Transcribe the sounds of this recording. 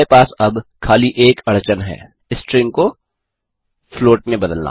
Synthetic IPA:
epaːsɐbkʰaːliʔeːkɐɽt͡ʃənɦɛ̰ː | ɪsʈɾɪ̃ŋko | floːʈmẽbɐd̪əlna̰ː

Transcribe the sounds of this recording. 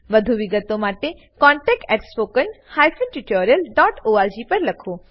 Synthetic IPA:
ʋəd̪ʱuʋɪɡət̪omaʈe | kɔ̃ːɳʈɛk̚ʈɛʈspoːkənhajfənʈuʈoɾjəlɖɔːʈoːaɾd͡ʒipɐɾlɐkʰoː

